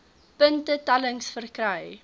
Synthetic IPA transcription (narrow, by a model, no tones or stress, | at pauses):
pəntətɐləŋsfərkrəj